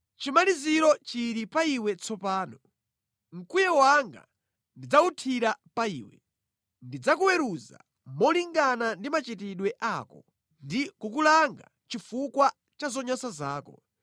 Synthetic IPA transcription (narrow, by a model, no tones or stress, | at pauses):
t͡ʃimaliziɾɔt͡ʃiɾipaiwɛt͡sʰɔpaːnɔ | ŋ̩kujɛwaŋɡa̰ | ndid͡zautʰiɾapaiːwɛ | ndid͡zakuwɛɾuza̰ | mɔliŋɡanandimat͡ʃitiɗwɛʔaːkɔ | ndikukulaŋɡa̰ | t͡ʃifukwa | t͡ʃazɔɲɔsazaːkɔ